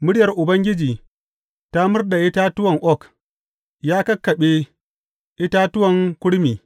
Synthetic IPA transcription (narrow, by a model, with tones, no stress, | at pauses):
mʊ˦ɽɪjɐ˨rʔʊ˨bɐ˦ŋɡʲɪ˦d͡ʒiː˨ | ta˦mʊ˦rda˨ʔɪ˦taː˦tʊ˦wɐ˨ŋʔɔ˦k | jaː˦kɐ˦kːɐ˨ɓeː˦ | ʔɪ˦taː˦tʊ˦wɐ˨ŋkʷʊ˦ɽmiː˨